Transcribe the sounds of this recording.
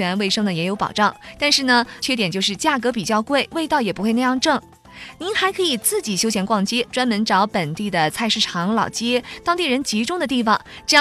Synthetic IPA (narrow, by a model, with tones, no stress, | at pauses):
ɛ˧˥nwe˥˩ɪʂɤ˥ŋd̪ə˨jɛ˧˥jo˧˥ʊpɑ̰˨˩ʊʈ͡ʂɑ˥˩ŋt̪a˥˧nʂɻ̩˥˩nə˩t͡ɕʰɥɛ˥˩t̪jɛ˨˩nt͡ɕjo˥˧ʊʂɻ̩˥˧t͡ɕja˥˩kɤ˧˥pi˨˩t͡ɕjɑ˥˧ʊkwe˥˩ɪwe˥˧ɪt̪ɑ˥˩ʊjɛ˨˩pu˧˥xwna˥˧jɑ˥˧ŋʈ͡ʂɤ˥˩ŋ | ni˧˥nxa˧˥ɪkʰɤ˧˥i˨˩t͡sɹ̩˥˩t͡ɕi˨˩ɕjo˥ʊɕjɛ˧˥nkwɑ˥˩ŋt͡ɕjɛ˥ʈ͡ʂwa˥nmə˧˥nʈ͡ʂɑ˧˥ʊpə˨˩nt̪i˥˩d̪ə˩t͡sʰa˥˧ɪʂɻ̩˥˩ʈ͡ʂʰɑ˧˥ŋlɑ˨˩ʊt͡ɕjɛ˥t̪ɑ˥ŋt̪i˥˩ɻə˧˥nt͡ɕi˧˥ʈ͡ʂʊ˥ŋd̪ə˨t̪̬i˥˩fɑ˨˩ŋʈ͡ʂɤ˥˧˥